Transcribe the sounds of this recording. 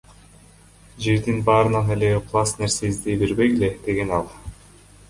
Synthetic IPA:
d͡ʒe̞ɾd̪inbɑːɾɯnɑneleqʰlˠɑsneɾseizd̪ejbeɾbe̞jele̞d̪̥e̞ɡe̞nɑlˠ

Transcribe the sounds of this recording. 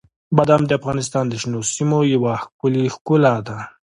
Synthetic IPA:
bad̪amd̪əafɣɑnɪs̬t̪ɑnd̪əʃnosimojawaxkʊlixkulad̪a

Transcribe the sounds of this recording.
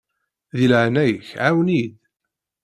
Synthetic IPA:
ðilʕnæjəçʕawnid̪

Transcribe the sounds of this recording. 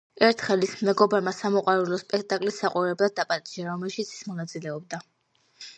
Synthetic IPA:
ɛɾt̪ʰχɛlismɛɡɔbaɾmasamɔqʼwaɾulˠɔspʼɛkʰt̪ʼakʼlisaqʼuɾɛblˠad̪ːapʼat̪ʼiʒaɾɔmɛlʃit̪sʰi̥smɔnat̪sʼilɛɔbd̪a

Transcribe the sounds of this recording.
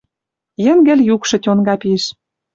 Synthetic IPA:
jɘ̆nɡɘ̆lʲjukʃɤ̆tʲonɡɑpiʃ

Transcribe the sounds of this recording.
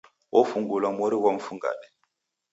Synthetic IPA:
ofuŋɡulɔmoɾiwɔm̩fuŋɡa̰ɗɛ

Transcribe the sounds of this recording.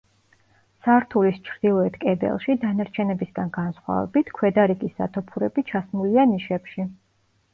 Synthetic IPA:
saɾt̪ʰulist͡ʃʰɾd̪̥ilˠɔɛt̪ʰkʼɛbɛ̰lˠʃid̪anaɾt͡ʃʰɛnɛbisɡanɡansχwa̰vɛ̰bit̪ʰkʰwɛd̪aɾiɡisd̪a̰t̪ʰɔpʰuɾɛbit͡ʃʰasmulianiʃɛpʃi

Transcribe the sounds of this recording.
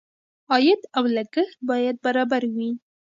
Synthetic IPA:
ɑjɪd̪awlaɡəxt̪̚bɑjad̪̚baɾɑbaɾwi

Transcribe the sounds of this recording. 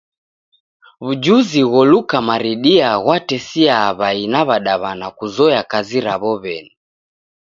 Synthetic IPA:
βud͡ʒuziɣɔlukamaɾiɗiaɣwatɛsiaβainaβaɗaβanakuzɔjakaziɾaβɔβɛni

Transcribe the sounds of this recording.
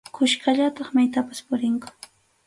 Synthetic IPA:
kʰʊʃkaʎat̪ɑχmajt̪apaspʊɾɪŋkʊ̥

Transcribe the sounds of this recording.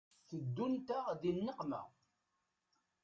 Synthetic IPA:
θəd̪ːunt̪aʁðinːəqmæ̰

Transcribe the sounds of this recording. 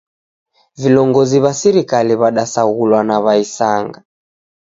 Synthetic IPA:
vilɔŋɡɔziβasiɾikaliβaɗasaɣulwanaβaisaŋɡa

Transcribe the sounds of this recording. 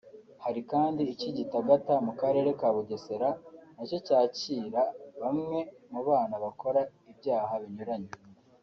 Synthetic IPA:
haɾikaːndiːciɟitaɡatamukaɾe̞ɾe̞kaːβuɡe̞se̞ɾanaco̞caːciːɾaβamŋe̞muβaːnaβako̞ɾaibɟaːhaβiɲuɾaɲe

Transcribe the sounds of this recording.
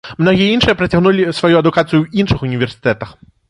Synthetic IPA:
mnɔɣʲijɐinʂɨjɐpɾɐt͡sʲaɣnulʲisvɐjuɐd̪ukat̪sɨjuwinʂɨxunʲivʲɛrsʲɨ̥t̪ɛt̪ɐx

